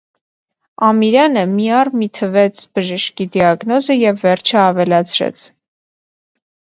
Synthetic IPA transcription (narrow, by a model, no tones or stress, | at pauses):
ɑmiɾɑnəmiɑrmit̪ʰəvɛt͡sʰb̥əʒəʃkid̪iɑɡnɔzəjɛvːɛɾt͡ʃʰəɑvɛlɑt͡sʰɾɛ̰t͡sʰ